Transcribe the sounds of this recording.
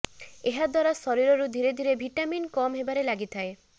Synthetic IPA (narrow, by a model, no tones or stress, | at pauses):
eɦad̪waɾasɔɾiɾɔɾud̪ʱiɾed̪ʱiɾebʱiʈaminkɔmɦebaɾelaɡit̪ʰae